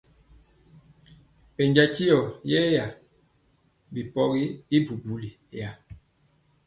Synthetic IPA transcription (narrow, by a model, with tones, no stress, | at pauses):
pɛ˨ɲd͡ʒa˦ti˦jɔ˨jɛ˦ja˨ | bi˨pɔ˦ɣi˦i˦bu˨bu˨li˨ | ja˨